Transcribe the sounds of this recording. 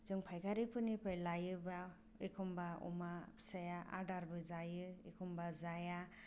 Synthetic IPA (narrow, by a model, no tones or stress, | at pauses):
z̥ɯŋpʰajkʰaɾipʰɯnipʰɯjlajɯba | ekʰɔmbaɔ̰masajaʔa̰daɾbɯzajɯekʰɔmbazaja